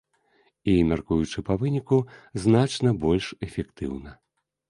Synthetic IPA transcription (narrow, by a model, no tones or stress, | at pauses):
imʲarkujut͡ʂɨpɐvɨnʲikuznat͡ʂnɐbɔlʲʂɛfʲɛkt̪ɨwnɐ